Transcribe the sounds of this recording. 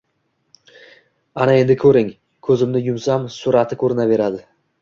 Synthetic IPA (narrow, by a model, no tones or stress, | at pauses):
anae̞nd̪ɪkʰɵɾɪŋ | kʰɵzɪmnɪjʊmsamsʊɾat̪ʰɪkʰɵɾɪnave̞ɾad̪ɪ